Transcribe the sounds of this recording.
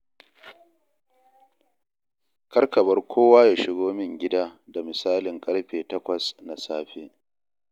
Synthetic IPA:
kɐ˦rkɐ˨bɐ˦rkʷʰoː˦waː˦jaː˨ʃɪ˦ɡoː˦mɪ˦ŋɡʲɪ˦daː˦da˨mɪ˨saː˦lɪ˨ŋkʼɐ˦ɽɸeː˨tɐ˦kʷɐ˨sna˨saː˦ɸeː˦

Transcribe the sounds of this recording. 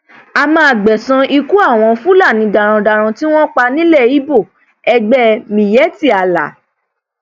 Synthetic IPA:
a˧mãː˦˧˨ɡ͡bɛ˨sã˧ʔi˧ku˦a˦˨w̃ɔ̃˧fũ˦la˦˨nĩ˨˧da˨ɾ̃ã˧da˨ɾ̃ã˧ti˦w̃ɔ̃˦k͡pa˧nĩ˦lɛ˦˨i˨˦bo˦˨ | ɛ˧ɡ͡bɛ˦mĩ˨jɛ˨˦ti˦˨a˨la̰˨˦

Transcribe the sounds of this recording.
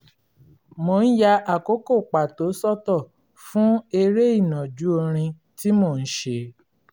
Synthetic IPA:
mo˧˨n̩˦ja˧ʔa˦˨ko˦ko˦˨k͡pa˨to˨˦sɔ˦˨tɔ˦˨ | fũ˦e˧ɾe˦i˦˨nã˨d͡ʒu˨˦o˧ɾ̃ĩ˧ | ti˦mo˦˨n̩˦ʃe˧

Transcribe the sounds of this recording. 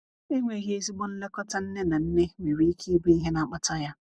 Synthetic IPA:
e˦ŋʷe˨˦ɦe˦si˦ɡ͡bɔ˦n̩˦le˦kɔ˦ta˦n̩˦ne˦na˨n̩˦ne˦me˨ɾi˦kʰi˦bi˦ɦɪ˦na˨k͡pa˦ta˦ja˦

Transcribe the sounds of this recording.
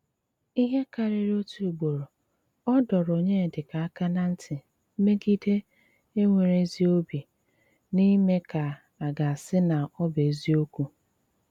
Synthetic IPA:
i˦ɦe˦ka˨ɾɪ˦ɾo˦tu˨ɡ͡bo˨ɾo˨ | ɔ˦dɔ˨ɾo˨ɲe˦˨dɪ˨ka˨a˦ka˦na˦n̩˦tʰɪ˨ | m̩˦me˦ɡi˦de˦ | e˦ŋʷe˨ɾe˦zi˦o˦bi˨ | ni˦me˦ka˨ | a˨ɡa˨a˨sɪ˦na˨ɔ˦be˨˦zi˦o˦ku˨

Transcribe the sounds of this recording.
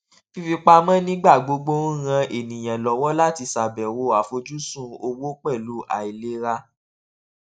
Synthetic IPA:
fi˧fi˧k͡pa˧mã˦nĩ˦ɡ͡ba˦˨ɡ͡bo˧ɡ͡bo˦ɾã˧e˨nĩ˨j̃ɛ̃˨lɔ˨wɔ˦la˦ti˧sa˨bɛ̃˨wo˧a˨fo˧d͡ʒu˦sũ˦˨o˧wo˦k͡pɛ˦˨lu˨˦a̰˨i˨le˨˦ɾa˧

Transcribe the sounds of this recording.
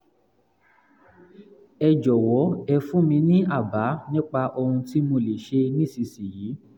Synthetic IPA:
ɛ˧d͡ʒɔ˨wɔ˨˦ɛ˧fũ˦mĩ˧nĩ˦ʔa˦˨ba˨˦nĩ˦k͡pa˧ʔo˧hũ˧ti˦mo˧le˨ʃe˧nĩ˦˨si˨si˨jiː˨˦

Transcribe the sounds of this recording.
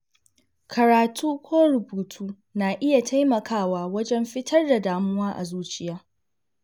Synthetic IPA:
kʰɐ˨ɾaː˨tʰuː˦kʷoː˦ɾʊ˨buː˨tʰuː˦ | naː˨ʔɪ˦ja˨tʰa˦jmɐ˨kʰaː˦˨waː˦wɐ˦d͡ʒɛ˦mɸɪ˦tʰɐ˦rda˨daː˨mʊ˦waː˦ʔa̰˨zuː˦t͡ʃɪ˦jaː˦

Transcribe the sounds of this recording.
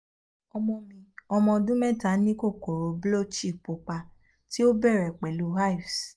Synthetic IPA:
ɔ˧mɔ̃˧mĩ˧ɔ˧mɔ̃˧dũ˦mɛ̃˦˨ta˨˦nĩ˦ko˦˨ko˨ɾo˨blo˦˨t͡ʃi˦˨k͡po˨k͡pa˧ | ti˦o˦bɛ˦˨ɾɛ˨k͡pɛ˨lu˨˦ha˦˨fs

